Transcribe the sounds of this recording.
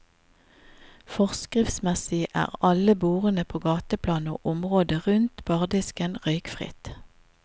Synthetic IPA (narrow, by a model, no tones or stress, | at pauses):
fɔʁskʁɪfsmɛsɪʔæ̰ːʁɑləbuːʁənəpʰoːɡɑːt̪əpʰlɑːno̰ːʔʊmʁoːd̪əʁʉnt̪b̥ɑːʁd̪ɪskənʁœʏkfʁɪ̰t̪